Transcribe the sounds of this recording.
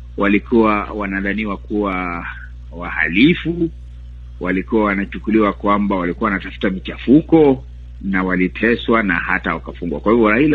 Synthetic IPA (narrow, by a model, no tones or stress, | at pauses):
walikuwawanaðaniːwakuwa | waha̰lifu | walikuwawanat͡ʃukuliwakwambawalikuawanatafu̥tamit͡ʃafukɔ | nawalitʰɛswana̰hatawakafuŋɡwakwahivɔɾaila